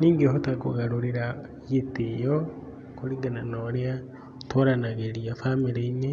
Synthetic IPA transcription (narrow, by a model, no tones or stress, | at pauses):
niːŋɡeɦotakuɣaɾuɾiɾa | jitijo | kuliɡananoɾea | toɾanaɣeɾiafamiɾeine